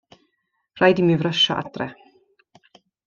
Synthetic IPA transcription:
rajdimivrəʃa̰ʔa̰drɛ

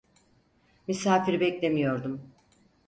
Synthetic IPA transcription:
mysaːfiɾbɛclʲe̞mijo̞ɾd̪um

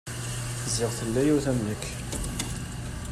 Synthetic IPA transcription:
θzɪʁθəlːæjuwθæmnəkː

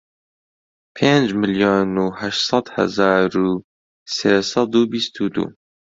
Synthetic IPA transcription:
pʰeːnd͡ʒmɨljoːnuhæʃt̪sˤɑd̪hɐ̰zɑːɾu | seːsɑd̪uːbist̪ʰuːd̪ṵː

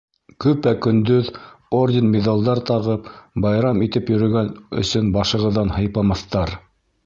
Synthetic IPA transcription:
kɵpækɵ̆nd̪ɵðordʲɪnmʲed̪alˠd̪ɑɾt̪ɑʁɤpbɑjɾɑmit̪ɘpjɵ̆ɾɵ̆ɡænɵ̰̆sɵnbɑʃɤ̆ʁɤ̆ðːɑnhɤ̆jpɑmɑθt̪ɑɾ

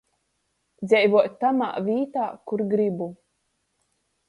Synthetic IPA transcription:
d̪zʲɛjvuɔt̪ʲt̪ːama̰ːvʲiːt̪aːkuɾɡɾibu

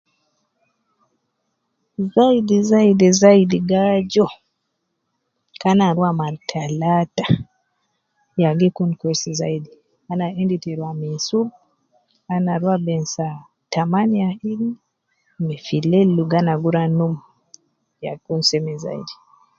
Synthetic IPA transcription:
zaidizaidizaidiɡad͡ʒɔ | kanaɾuamaɾtʰalata | jaɡikunkwɛsiza̰idi | anaɛnditiɾuamisub | anaɾuabɛnsa | tamanijaili | mɛfilɛlːuɡanaɡuɾanum | ja̰kunsɛmɛza̰ḭdi

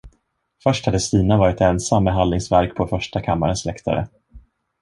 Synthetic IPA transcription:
fœʂʈhad̪əst̪iːnavɑːɾɪt̪ɛnsamːɛɦanɪŋsvæɾkpʰɔfœʂʈakʰamːa̰ɾənslɛkt̪ʰa̰ɾə̰

